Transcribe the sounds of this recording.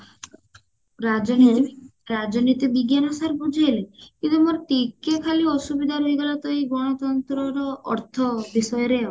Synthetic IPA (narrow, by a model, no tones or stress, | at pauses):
ɾad͡ʒɔ | ɾad͡ʒɔnit̪ib̪iɡjanɔsaɾbud͡ʒʱiɦelikint̪umoɾt̪ikːekʰaliɔsubid̪ʱaɾojɡɔlat̪ɔiɡɔɽ̃ɔt̪ɔnt̪ɾɔɾɔɔ̰ɾt̪ʰɔbisɔjɔɾe